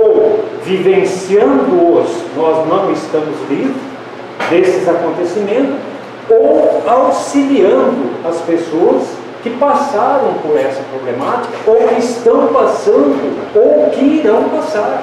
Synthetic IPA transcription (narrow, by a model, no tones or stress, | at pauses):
owvivẽsiɐ̃nd̪ʊʊsnɔznɐ̃w̃ɪst̪ɐ̃mʊzvĩvɾʊ | d̪esɪzakõnt̪esimẽnt̪ʊs | owawsiliɐ̃nd̪ʊɐspesoɐs | kɪpasaɾɐ̃w̃poɾɛsɐpɾoblemat͡ʃi̥kɐowɪst̪ɐ̃w̃pasɐ̃nd̪ʊowkɪiɾɐ̃w̃pasaɾ